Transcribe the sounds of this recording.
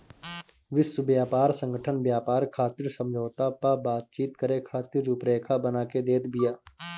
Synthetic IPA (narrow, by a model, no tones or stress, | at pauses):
ʋɪswəbjaːpaːɾsə̃ŋɡʱəʈʰənbjaːpaːɾkʰaːt̪ɪːɾsə̃md͡ʒʱoːt̪apabaːt̪̚t͡ʃiːt̪̚kəɾekʰaːt̪iːɾupɾeːkʰabənaːked̪eːt̪bɪjaː